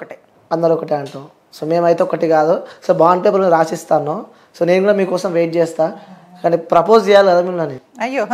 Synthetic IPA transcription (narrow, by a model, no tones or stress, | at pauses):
kʈi | ɐnd̪ɐɾɔkɐʈiɐɳʈoː | soːme̞ːmɐjt̪eɔkːɐʈikaːd̪usobaːɳɖ̚peːp̬ɐɾniɾaːsist̪aːnːoː | soːnenɡuːɽaːmiːkɔːsɐmʋeːʈ̚t͡ʃɛːst̪aːkaːniːpɾɐpo̞ːsd͡ʒɛːjaːliɡɐd̪aːmiːmnɐniɐjo